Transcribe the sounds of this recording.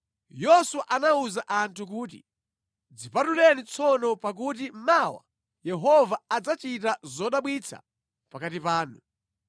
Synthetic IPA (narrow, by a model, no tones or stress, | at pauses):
jɔswaʔanauzaʔantʰuk̬uːt̬ḭ | d͡zipatulɛnit͡sʰɔnɔpak̬ut̬im̩mawa̰ | jɛɦɔvaad͡zat͡ʃitazɔɗaɓwit͡sʰa̰ | pakatipaːnu